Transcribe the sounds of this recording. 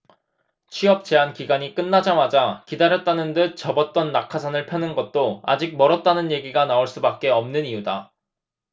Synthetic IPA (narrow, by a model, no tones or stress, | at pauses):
t͡ɕʰɥiʌp̚t͡ɕ͈e̞ɦankiɡaɲik͈ɯnːad͡ʑamad͡ʑakidaɾjʌt̚t͈anɯndɯt͡ɕʌbʌt̚t͈ʌnːakʰasʰanɯɭpʰjʌnɯnɡʌt̚t͈oa̰d͡ʑik̚mʌɾʌt̚t͈anɯnje̞ɡiɡanaoɭs͈ubak̚k͈e̞ʌmnɯniuda